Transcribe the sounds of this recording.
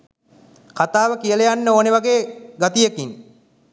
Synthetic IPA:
kat̪aːʋəkijələjanːəoːneʋaɡeːɡat̪ijekin

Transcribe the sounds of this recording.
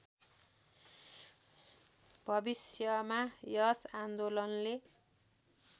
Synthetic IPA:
b̥ʱʌbisjʌmajʌsand̪olʌnle

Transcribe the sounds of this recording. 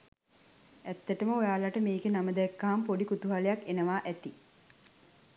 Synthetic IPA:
æt̪ːəʈəməojaːlaʈəmeːɡenaməd̪ɛkːaɦampoɖikut̪uɦalejakːenəʋaːʔæt̪i

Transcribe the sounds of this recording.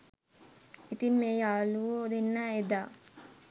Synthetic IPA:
it̪inmeːjaːlud̪inːaed̪aː

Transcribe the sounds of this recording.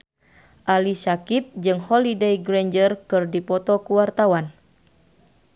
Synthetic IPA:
ʔalisakip̚d͡ʒɨŋhɔlidejɡɾeɲd͡ʒərkɨrdipɔt̪ɔkuwart̪awan

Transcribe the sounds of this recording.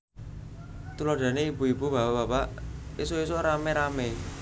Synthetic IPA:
t̪uloɖ̥a̤neibuibuba̤pabapaisois̬oɾameɾame

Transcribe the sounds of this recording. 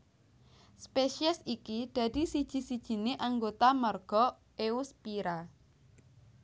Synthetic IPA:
speʃiɛsikid̪̥ä̤d̪̥isid̥ʒ̥i̤sid̥ʒ̥i̤neʔaŋɡot̪amərɡ̥ɔ̤ | euspiɾa

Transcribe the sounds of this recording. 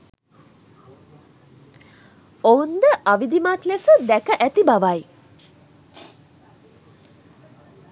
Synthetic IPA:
ound̪əʔaʋid̪imat̪lesəd̪ækəʔæt̪ibaʋaj

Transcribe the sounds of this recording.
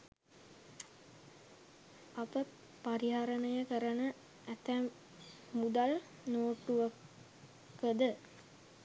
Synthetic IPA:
ɐpə | paɾiɦaɾənəjəkəɾənə | æt̪æ | mːud̪al | noːʈuʋə | kəd̪ə

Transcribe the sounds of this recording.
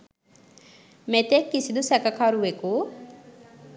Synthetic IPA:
met̪ekːisid̪usɛkɐkaɾuʋeku

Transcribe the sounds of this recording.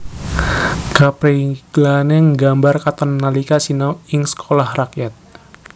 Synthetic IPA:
kapɾeɡ̥laneŋɡambarkat̪ɔrːalikasinɔɪŋsə̥kʰolahrakjat̪̚

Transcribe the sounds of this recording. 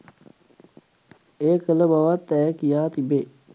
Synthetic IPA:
eːkələbaʋat̪ːɛjkijaːt̪ibe

